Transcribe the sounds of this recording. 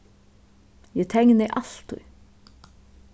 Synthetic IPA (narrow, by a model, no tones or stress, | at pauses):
jɛt̪ʰɛŋnɪʔal̥t̪ʊ̰j